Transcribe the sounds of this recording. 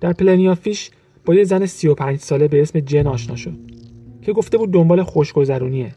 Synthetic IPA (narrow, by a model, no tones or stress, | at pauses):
d̪̥æɾpʰleniɒfiːʃ | b̥ɒːjezænesijo̞pʰæːnd͡ʒsɒːle̞be̞esme̞d͡ʒe̞nɒːʃnɒːʃo̞d̪̥̚cʰe̞ɡo̞ft̪e̞buːd̪̚ːo̞mbɒːlexo̞ʃɡo̞zæɾuːnie